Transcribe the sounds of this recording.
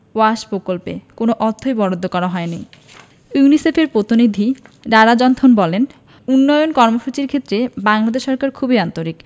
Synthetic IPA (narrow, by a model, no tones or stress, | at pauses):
waʃpɾokolpḛkonoʔɔt̪ʰːojbɔɽod̪ʱːokɔɾaɦɔeni | junisefeɾpɾot̪inid̪ʱiɖaɽad͡ʑɔnt̪ʰonbɔlen | unːɔjonkɔɾmoʃut͡ɕiɾkʰet̪ːɾebaŋlad̪eʃːɔɾkaɾkʰubiant̪oɾik